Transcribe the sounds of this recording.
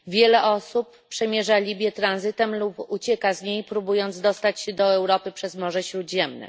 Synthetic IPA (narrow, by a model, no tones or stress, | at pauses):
vʲjɛlɛʔɔsupːʂɛmʲjɛʐalʲibʲjɛt̪ɾanzɘt̪ɛmluput͡ɕɛkazɲejpɾubujɔnd̪zd̪ɔst̪at͡ɕɕɛd̪ɔɛwɾɔpɘpʂɛzmɔʐɛɕɾud̪ʑɛmnɛ̰